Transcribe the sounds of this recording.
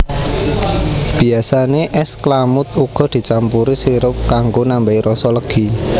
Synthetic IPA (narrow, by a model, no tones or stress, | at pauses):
b̥i̤asaneʔɛsklamʊt̪̚uɡ̥ɔ̤d̪̥i̤t͡ʃampuɾisiɾʊp̚kaŋɡonambaiɾɔsɔləɡ̥i̤